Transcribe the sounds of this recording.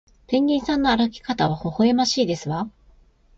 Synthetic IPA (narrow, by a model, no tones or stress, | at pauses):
pẽ̞ɲːʲĩːɰ̃sãnːo̞aɾakʲi̥kat̪aβ̞aho̞hoemaɕiːd̪e̞sɨβa